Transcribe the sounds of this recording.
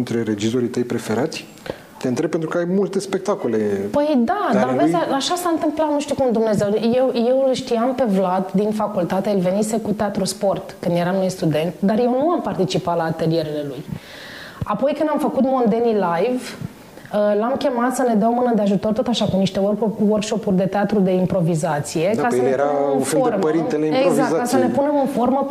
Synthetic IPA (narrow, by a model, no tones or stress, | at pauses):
nt̪ɾe̞ɾe̞d͡ʒizoɾit̪əjpɾe̞fe̞ɾat̪sʲ | t̪eɨnt̪ɾe̞b̚pːent̪ɾukəajmult̪e̞spe̞k̚t̪ako̞le̞pəjd̪ad̪avezaaʃasant̪ɨmplamnuʃt̪ukumd̪umne̞ze̞wje̞wje̞wlʃt̪iampe̞vlad̪d̪infakult̪at̪eelve̞nise̞kut̪eat̪ɾuspo̞rt̪kɨnd̪je̞ɾamnujst̪ud̪e̞nt̪d̪arje̞wnuampart̪it͡ʃipat̪laːt̪e̞lie̞ɾele̞luj | apo̞jkɨnd̪amfəkut̪mo̞nd̪e̞nilajv | əlamkʲe̞mat̪səned̪awmɨnəd̪eaʒut̪o̞rt̪ot̪aʃakumniʃt̪e̞workʃo̞purʲd̪e̞t̪eat̪ɾud̪e̞impɾo̞vizat̪sije̞kasəeɾaɨnformɾint̪eleezakkːasəne̞pune̞mɨnfo̞rmə